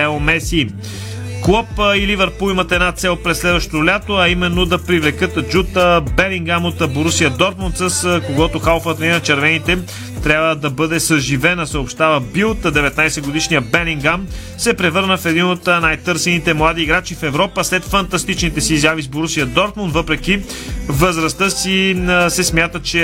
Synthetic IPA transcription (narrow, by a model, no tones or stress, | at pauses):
ɛomɛsiː | klˠɔpilivɛɾpulˠimət̪ɛd̪nat̪sɛlˠpɾɛslɛd̪vɐəʃt̪olʲat̪oɐimɛnːod̪ɐpɾivlɛkɤt̪d͡ʒut̪əbɛliŋɡamot̪boɾusiəd̪ɔɾt̪mont̪səskoɡɔt̪oxalˠfət̪inɐt͡ʃɛɾvɛnit̪ɛ | t̪ɾʲabvəd̪ɐbɤd̪ɛsəʒivɛnəsəopʃt̪avəbilˠt̪əd̪ɛvɛt̪najsɛɡod̪iʃnijəbɛliŋɡam | sɛpɾɛvɤɾnəfɛd̪inot̪najt̪ɤɾsɛnit̪ɛmlˠad̪iːɡɾat͡ʃifɛvɾɔpəslɛt̪fɐnt̪ɐst̪it͡ʃnit̪ɛsiːzavizboɾusiəd̪ɔɾt̪mʊnd̪vɤpɾɛki | vəzɾɐst̪əsisɛsmjat̪ət͡ʃɛ